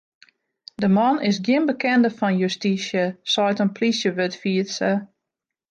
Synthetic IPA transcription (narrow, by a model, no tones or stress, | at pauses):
dəmɔnɪsɡjɪnbəkʰɛndəfɔnjustiʃjəsɔjtənpʰlisjəʋøtfiəsə